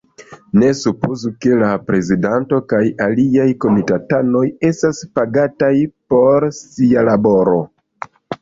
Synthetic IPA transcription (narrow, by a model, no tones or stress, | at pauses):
ne̞supo̞zuke̞lapɾe̞zidanto̞kajaliajko̞mitatano̞je̞staspaɡatajpo̞ɾsialabo̞ɾo̞